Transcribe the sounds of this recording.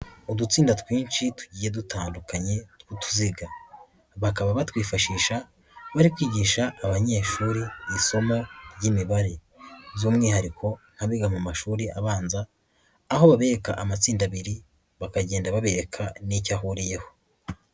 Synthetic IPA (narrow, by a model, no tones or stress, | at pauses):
odut͡siːndatwiːnʃitu̥ɟiːje̞dutʰaːndukaɲe̞twutu̥ziɡa | βakaβaβatwiːfaʃiːʃa | βaɾikwiːɟiːʃaʔːβaɲe̞ːʃuːɾiːso̞moɾɟimiβaɾe̞ | vjuːmŋiːhaɾikʰo̞n̥haβiɡamumaʃuːɾiʔaβaːnzaː | ho̞βaβe̞ɾe̞kaʔamat͡siːndaβiɾi | βakaɟe̞ːndaβaβe̞ɾe̞kʰanicaɦuɾije̞ho̞̥